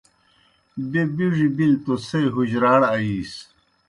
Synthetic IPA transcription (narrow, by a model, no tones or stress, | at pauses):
bebiʐibilt̪osejɦuʑɾaːɽɐiːs